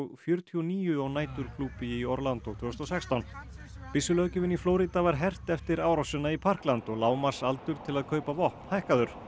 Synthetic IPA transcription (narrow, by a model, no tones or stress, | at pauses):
fjœɾ̥t̪ʰiɔniːjʏɔɣnaːjt̪ʏɾ̥kʰluːpɪiɔɾlant̪ɔt̪ʰvʏst̪ɔsɛkst̪awn | pɪsːʏlœːcɪvɪnifloːwɾit̪avaɾ̥ɦɛr̥t̪ɛft̪ɪɾaːwɾawsɛnːaipʰar̥klant̪ɔɣlaːwmaɾ̥salt̪ʏɾ̥t̪ʰɪlaðkʰœːɥpavɔhpn̥hajhkaðʏɾ̥